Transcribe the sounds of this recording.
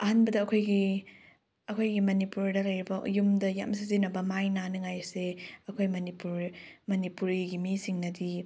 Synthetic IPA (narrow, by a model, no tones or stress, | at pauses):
ɐɦanbɐdɐːkʰojɡi | ɐkʰojɡimɐnipuɾdɐlɐjɾibɐ̰jumdɐja̰ms̬izinɐbɐmajnanɐŋajseɐkʰojmɐnipuɾmɐnipuɾiɡimisiŋnɐdi